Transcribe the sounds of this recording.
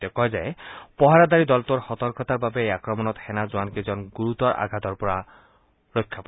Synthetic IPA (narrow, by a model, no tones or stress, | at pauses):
t̪ɔkɔzaepɔɦaɹad̪aɹid̪ɔlt̪oɹxɔt̪ɔɾkɔt̪aɹbabeejakɹɔmɔnɔt̪hɛnazuankezɔnɡuɾut̪ɔɹʔa̰ɡʱad̪ɔɹpɔɹa | ɹɔjkʰːapa